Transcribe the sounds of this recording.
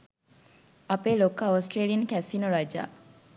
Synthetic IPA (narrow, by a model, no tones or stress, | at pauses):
apelokaosʈɾelijənkɛsinoɾad͡ʒa̰ː